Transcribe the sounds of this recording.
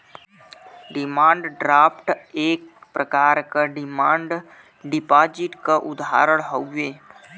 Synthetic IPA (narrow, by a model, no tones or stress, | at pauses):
ɖɪmãːɳɖɖɾaːpʈeːk̚pɾəkaːɾkaɖɪmãːɳɖ | ɖɪpaːd͡ʒɪʈkaʔʊd̪a̰ːɾəɽɦoeː